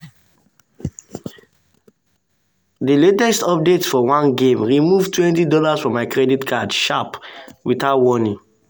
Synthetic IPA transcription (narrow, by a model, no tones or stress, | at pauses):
dəletɛstɔp̚detfɔwãnɡẽmɹimuvtwɛ̃ntidɔlasfɹɔ̃mːaɪkɹɛditkʰadʃapwiθaʊtwɔnĩ